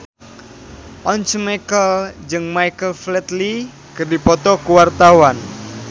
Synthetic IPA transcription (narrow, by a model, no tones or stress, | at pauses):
ʔɔnt͡ʃmakəld͡ʒɨŋmajkəlflɛt̪li | kərdipɔt̪ɔkuwart̪awan